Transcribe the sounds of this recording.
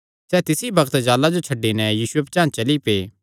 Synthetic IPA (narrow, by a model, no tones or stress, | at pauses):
sɛːt̪ɪsibɐkt̪d͡ʒaːlad͡ʒot͡ʃʰɐɖːinɛjiːsuep̚t͡ʃãːt͡ʃɐlipeː